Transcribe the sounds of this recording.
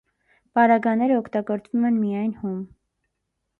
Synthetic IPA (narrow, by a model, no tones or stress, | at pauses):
pɑɾɑɡɑnɛɾəɔkʰt̪ɑɡɔɾt͡svumɛnmijɑjnhum